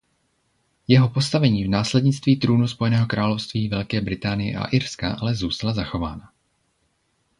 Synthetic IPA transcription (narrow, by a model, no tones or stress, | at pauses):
jɛɦo̞po̞st̪avɛɲiːvnaːslɛdɲɪt͡st̪viːt̪ɾuːnuspo̞jɛnɛːɦo̞kɾaːlo̞fst̪viːvɛlkɛːbɾɪt̪aːnɪjɛ̰ʔa̰ʔɪɾska̰ʔalɛzuːst̪alazaxo̞vaːna